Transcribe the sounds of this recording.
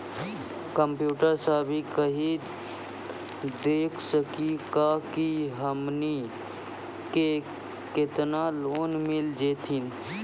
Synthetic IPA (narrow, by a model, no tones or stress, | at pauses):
kəmpjuːʈəɾsaːbʱikəɦi | d̪eːkʰsəkikaːkiɦəmni | ke | kɪt̪naloːnmɪld͡ʒeːt̪ʰɪn